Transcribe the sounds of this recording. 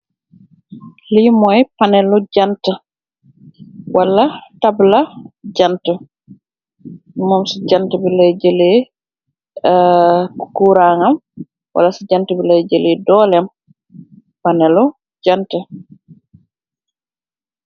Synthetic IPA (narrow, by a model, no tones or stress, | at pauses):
limɔjpanɛlːɔd͡ʒanta | walːatablad͡ʒanta | mɔmsid͡ʒantabɛlɛjd͡ʒele | kuɾaŋam | wa̰lasid͡ʒantabilɛjd͡ʒelɛdɔːlɛm | panɛlɔ | d͡ʒanta